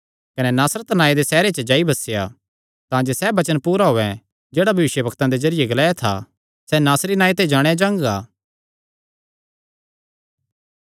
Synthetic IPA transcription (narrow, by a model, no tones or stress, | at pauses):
kɐnɛnaːsɾət̪naːed̪esɛːɾet͡ʃəd͡ʒaːibɐseja̰ | t̪ãːd͡ʒesɛbɐt͡ʃənpuːɾaɦoːɛ̃ | d͡ʒeːɽabʱɐʋɪʃjəbʱɐkt̪ãd̪ezɐɾɪjeɡɐlaːat̪ʰa̰ | sɛnaːsɾinaːit̪ed͡ʒaːɽ̃ejad͡ʒãːŋɡaː